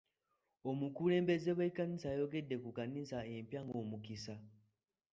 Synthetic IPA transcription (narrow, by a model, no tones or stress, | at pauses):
o̞mukule̞ːmbe̞zeβaikanisajo̞ɡe̞dːe̞kukanisaempjaŋɡo̞ːmukisa